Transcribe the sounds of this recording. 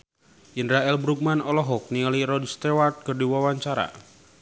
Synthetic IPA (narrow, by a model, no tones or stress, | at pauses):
ʔinɾaɛlbɾuk̚manɔlɔɦɔk̚nialiɾɔdst̪ewart̪̚kərdiwawaɲt͡ʃaɾa̰